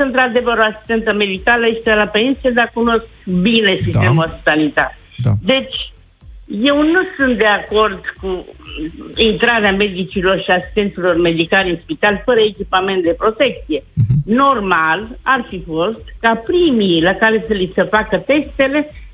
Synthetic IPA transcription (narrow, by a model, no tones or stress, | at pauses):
ɨnt̪ɾad̪e̞vəɾoasi̥st̪e̞nt̪əme̞d̪ikaləeʃit̪elape̞nsied̪akuno̞skkbine̞sist̪emuaspi̥sanit̪a̰t | d̪e̞t͡ʃʲ | je̞wnusunt̪̚d̪e̞ako̞rd̪ku | int̪ɾaɾeame̞d̪it͡ʃilo̞rʃiasi̥st̪e̞nt̪silo̞rme̞d̪ikalɨnspit̪alfəɾəekʲipame̞nt̪̚d̪e̞pɾo̞t̪e̞k̚t̪sije̞no̞rmalarfifo̞st̪kapɾimilakaɾe̞səlisəfakət̪e̞st̪e̞le̞